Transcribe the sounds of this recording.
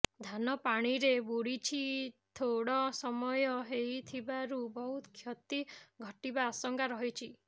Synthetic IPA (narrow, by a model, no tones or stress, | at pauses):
d̪ʱanɔpaɽ̃iɾebuɽit͡ʃʰit̪ʰoɽɔsɔmɔjɔɦejt̪ʰibaɾubɔɦut̪kʰjɔt̪iɡʱɔʈibaːsɔŋkaɾɔɦit͡ʃʰi